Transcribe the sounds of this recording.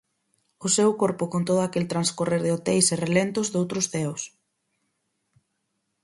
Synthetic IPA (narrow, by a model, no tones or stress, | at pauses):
ʊsewkoɾpʊkont̪oðʊakelt̪ɾanskoreɾðɪot̪ejserelent̪ʊzðowt̪ɾʊsθɛws